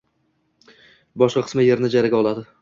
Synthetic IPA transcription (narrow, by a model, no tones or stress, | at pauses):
bɒʃqɑqʰɨ̥smɪjeɾnɪd͡ʒaɾaɡʲaɒlˠad̪ɪ